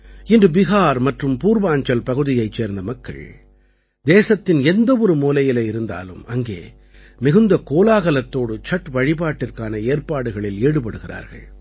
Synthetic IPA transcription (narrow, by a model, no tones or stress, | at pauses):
ɪndrɯbɪɣaːɾmɐʈrɯmpuːɾʋaːɲd͡ʒɐlpɐɣɯðɪjɐɪt͡ʃːeːɾnd̪ɐmɐkːɐ̰ɭ | d̪eːsɐt̪ːɪnɛnd̪ɐʋɔɾɯmuːlɐjɪlɐɪɾɯnd̪a̰ːlɯ̰mɐŋɡḛː | mɪɣɯnd̪ɐkoːlaːɣɐlɐt̪ːoːɽɯt͡ʃɐʈʋɐɻɪpaːʈːɪrkaːnɐeːrpaːɽɯɣɐɭɪleːɽɯpɐɽɯɣɪra̰ːɾɣɐ̰ɭ